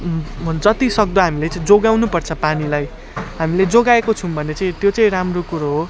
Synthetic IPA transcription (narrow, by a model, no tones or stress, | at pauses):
d͡zʌt̪isʌk̚d̪ʌɦamilet͡saĩd͡zoɡawnupʌrt͡sʰʌpanilaj | ɦamiled͡zoɡaekot͡sʰũbʱʌnet͡saĩt̪jot͡saĩɾamrokuɾoɦo